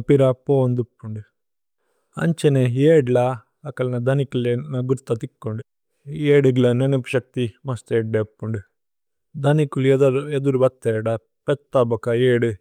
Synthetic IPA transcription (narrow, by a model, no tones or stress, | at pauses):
piɾɐpoːnd̪upːuɳɖu | ɐ̰ɲt͡ʃeneeːɖlɐ | ɐkɐlɐnɐd̪ɐnikulenɐɡuɾt̪ːɐt̪ikːoɳɖu | eːɖuɡlɐnenepuʃɐk̚t̪imɐst̪eːɖːepːuɳɖu | d̪ɐnikuleɐed̪uɾubɐt̪ːeːɽɐ | pɛt̪ːɐbɔkɐeːɖu